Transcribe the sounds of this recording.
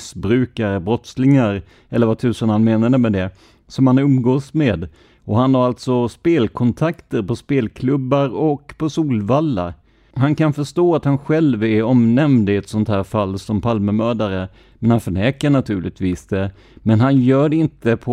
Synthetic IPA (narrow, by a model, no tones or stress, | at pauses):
sbɾʉ̟ːkaɾəbɾɔt̪slɪŋaɾ | ɛlːəɾvat̪ʰʉ̟ːsənalmeːnaɾəmɛd̪ɛ | sɔmhanɵmɡoːsmeːd̪ | ʔɔɦanhaɾalt̪sɔspeːlkʰɔnt̪ʰakt̪əɾpɔspeːlkʰlɵbːaɾɔkpʰɔsuːlvalːa̰ɾ | ɦankanfœʂt̪oːat̪hanɧɛlvɛɾɔmnɛmd̪ɪɛt̪sɔnt̪hæːɾfalːsɔmpʰalməmœːd̪aɾə | mɛnhanfœɳɛːkəɳat̪ʰʉ̟ːɭɪɡ̚t̪viːsd̪ɛ | mɛnɦanjœːɖɛɪnt̪əpʰɔ